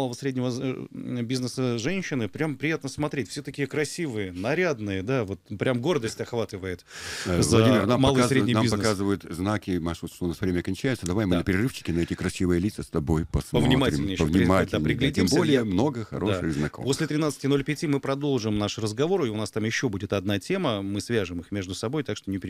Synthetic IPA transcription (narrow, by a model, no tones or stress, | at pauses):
lˠəvəsɾʲedʲnʲɪvə | bʲiznəsəʐɛnʲɕːɪnɨpɾʲampɾʲɪjat̪nəsmɐt̪ɾʲetʲfsʲɵt̪əkʲɪkɾɐsʲivɨjənɐɾʲad̪nɨjəd̪avo̞t̪pɾʲʔamɡo̞rd̪əsʲtʲɐxvat̪ɨvəjɪt̪ːzvlɐɐdimʲɪrnammalˠəsɾenʲɪjnamʲbizpɐnkazɨvəjʊt̪znakʲɪmaʂut̪ʂt̪ounasvɾʲemʲəɐkɐnʲt͡ɕæjɪt̪səd̪ɐvajmɨnəpʲɪɾʲɪrɨft͡ɕːɪ̥kʲɪnɐɛtʲɪkɾɐsʲivɨjəlʲit̪səst̪ɐbo̞jpɐsmpəvnʲɪmaɾʲɪlʲnʲɪpəvnʲɪmatʲɪd̪apɾʲɪɡlʲɪdʲmsbəlʲɪjəmno̞ɡəxɐ̰ɾoʂɨɣznɐ̰kompo̞sʲlʲɪt̪ɾʲɪnat̪sɨ̥tʲɪno̞lʲpʲɪtʲimɨpɾɐd̪o̞lˠʐɨmnaʂrəzɡɐvo̞ɾiʊnast̪amjɪɕːo̞budʲɪt̪ɐd̪̚natʲe̞məmɨsvʲaʐɨmɨxmʲe̞ʐd̪ʊsɐbo̞jt̪akʂt̪onʲɪpʲɾ